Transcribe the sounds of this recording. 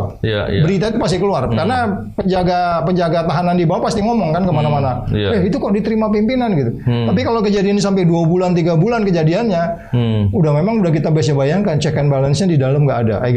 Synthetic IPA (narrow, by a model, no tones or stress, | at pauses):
bəɾit̪ait̪upast̪ikəluarkarna | pəɲd͡ʒaɡapəɲd͡ʒaɡat̪aɦanandibawapast̪iŋɔmɔŋkankəmanamanawɛit̪ukaʔdit̪əɾimap̬impinanɡit̪ut̪ap̬ikalokəd͡ʒadianɲasampɛduabulant̪iɡabulankəd͡ʒadianɲa | udahmemaŋudahk̬it̪abaas̬ɲabajaŋkant͡ʃɛkɛnbalənsɲadidalamɡaʔːda̰ʔaɡ